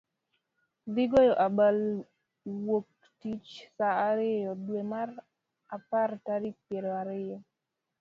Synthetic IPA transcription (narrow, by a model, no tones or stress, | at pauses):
dɪɡojɔʔabal | wok̚ | tit͡ʃsaːɾɪjɔdwemar | apartaɾipjeɾoaɾɪjɔ